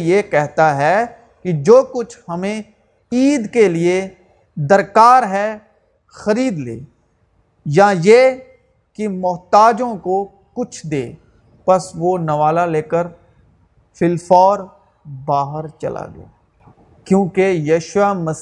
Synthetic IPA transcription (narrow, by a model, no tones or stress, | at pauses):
jeːkɛɦt̪aɦɛ | kid͡ʒoːkʊt͡ʃʰhɐmẽ | iːd̪kelie | d̪əɾkaːɾɦɛ | xɐɾiːd̪lḛː | jãːjeː | kimʊɦt̪aːd͡ʒõko | kʊt͡ʃʰd̪ḛː | pɐsʋoːnɐʋaːlaleːkəɾ | fʰɪlfɔːɾ | baːɦəɾt͡ʃɐ̰lʔa̰ːɡḛa | kjõːkejəːʃwamɐs